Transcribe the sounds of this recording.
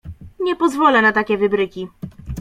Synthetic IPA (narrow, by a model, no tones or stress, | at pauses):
ɲɛpɔzvɔlɛnat̪akʲɛvɘbɾɘkʲi